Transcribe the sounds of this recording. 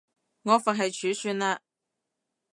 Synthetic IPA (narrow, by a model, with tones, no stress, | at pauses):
ŋɔː˨˧fɐ˨n̚ɦɐ˨jt͡ʃʰyː˨˥syː˧nlaː˧